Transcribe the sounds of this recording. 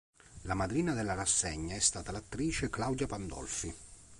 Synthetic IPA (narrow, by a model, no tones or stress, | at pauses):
lamad̪ɾiːnad̪elːarasːeɲːaɛst̪aːt̪alat̪ːɾiːt͡ʃeklawd̪japand̪ɔ̰lfi